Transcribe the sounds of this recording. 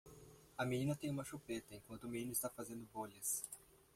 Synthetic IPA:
ɐminĩnɐt̪ẽj̃ũmɐʃupet̪ɐẽŋkwɐ̃nt̪ʊminĩnʊist̪afazẽnd̪ʊboʎɐs

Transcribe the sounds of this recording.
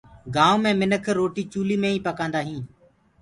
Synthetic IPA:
ɡãːõmẽːmɪnəkʰɾoːʈiːt͡ʃuːliːmẽːĩːpəkãːnd̪aːɦĩː

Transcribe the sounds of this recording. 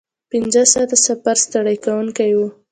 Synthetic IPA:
pɪnzəsɑt̪asafaɾst̪aɽajkawuŋkajwu

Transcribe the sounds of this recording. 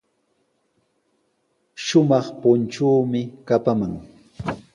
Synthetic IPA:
ʃʊmɑχpʊnt͡ʃuːmɪkapamaŋ

